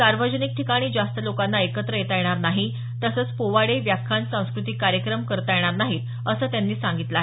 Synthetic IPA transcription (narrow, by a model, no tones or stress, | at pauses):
saɾʋəd͡ʑənik̚ʈʰikaɽ̃iːd͡zast̪əlokanːaekət̪ɾəjet̪ajeɽ̃aɾnaɦi | t̪əsət͡spoʋaɽeʋjakʰːansãw̃skɾut̪ikːaɾjəkɾəmkəɾt̪ajeɽ̃aɾnaɦiːt̪ | əsəːt̪janːiːsaŋɡit̪laɦe